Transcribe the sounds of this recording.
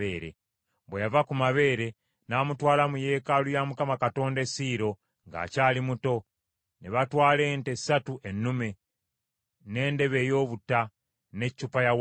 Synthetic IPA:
eːɾḛ | βwejavakumaβe̞ːɾe̞ | naːmutwaːlamuje̞ːkalujamukamakato̞ːndesiːɾo̞ | ŋɡa̰ːcaːlimuto̞ | neβatwaːle̞ːnte̞satuʔenːume̞ | ne̞ːnde̞βe̞ːjo̞ːβuta | ne̞cːupajaw

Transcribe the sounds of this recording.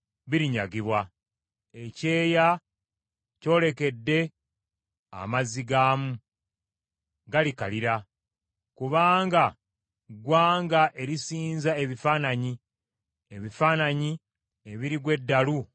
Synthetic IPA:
βiɾiɲaɡiβwa | e̞ce̞ːja | co̞ːle̞ke̞dːe̞ | a̰maziɡaːmu | ɡalika̰liɾa | kuβaːŋɡa | ɡwaːŋɡaʔe̞ɾisiːnzae̞βifaːnaɲi | eβifaːnaɲi | e̞βiɾiɡwe̞dːalu

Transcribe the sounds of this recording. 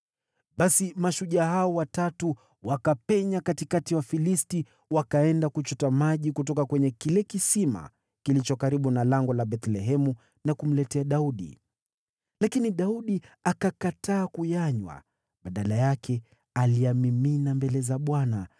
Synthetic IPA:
ɓasimaʃuʄahaɔwatatu | wakapɛɲakatikatiwafilisti | wakaɛndakut͡ʃutamaʄikutɔkakwɛɲɛkilɛkisima̰ | kilit͡ʃɔkaɾiɓunalaŋɡɔlaɓɛt̪lɛɦɛmu | nakum̩lɛtɛaɗauɗḭ | lakiniɗauɗiakakataːkujaɲwa̰ | ɓaɗalajakʰɛ | aliamiminambɛlɛzaɓwana

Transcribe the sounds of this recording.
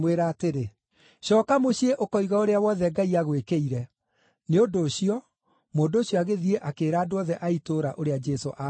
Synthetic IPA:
mweɾaːteɾe | ɕɔkamoɕieʔokɔiɣaoɾeawɔðɛɡaiaɣwekeiɾɛ | neondoːɕiɔ | moːndoːɕjɔaɣeðieʔakeːɾaːdoɔðɛʔaitoɾaʔoɾead͡ʒɛso̰ʔa

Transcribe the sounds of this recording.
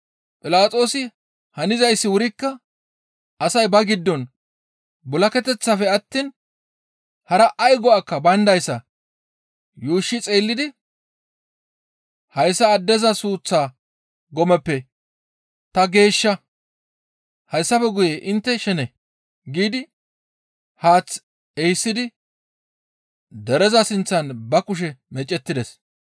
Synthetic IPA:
pʼɪlaːt͡sʼo̞ːsɪ | hɐnɪzɐjsːɪwʊɾɪkːɐ | ʔɐsɐjbɐɡɪd̪ːɔn | bʊlɐkɛt̪ɛt͡sːafɛɐt̪ːiːn | hɐɾɐʔːjɡɔakːɐbɐnd̪ɐjsːɐ | juːʃːɪt͡sʼeːlːɪd̪ɪ | hɐjsːɐːd̪ːɛzɐsuːt͡sːaː | ɡɔmɛpːɛ | t̪ɐɡe̞ːʃːɐ | hɐjsːɐfɛɡʊjeʔɪnt̪ːɛʃɛnɛ | ɡiːd̪ɪ | haːt͡sː | ɛjsːɪd̪ɪ | d̪ɛɾɛzɐsɪnt͡sːɐnbɐkʊʃ̬ɛmɛt͡ʃʼːɛt̪ːɪd̪ɛs

